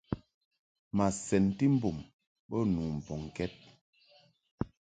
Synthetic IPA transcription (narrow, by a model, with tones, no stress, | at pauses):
ma˨sɛ˨nti˦m̩˦bo˨m | ɓɔ˦nu˨m̩˨bɔ˨ŋ˨kɛ˦t̚